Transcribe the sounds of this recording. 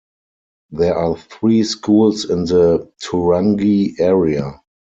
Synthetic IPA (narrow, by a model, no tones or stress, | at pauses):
ðɛəʔaːθɹiːskʰuːlsɪ̃nðətʰuɹãŋɡiɛɹia